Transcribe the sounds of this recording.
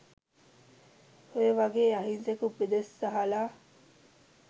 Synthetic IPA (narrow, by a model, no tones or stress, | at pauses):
hojeʋɐɡeːɐɦinsekubed̪esːɐɦɐlaː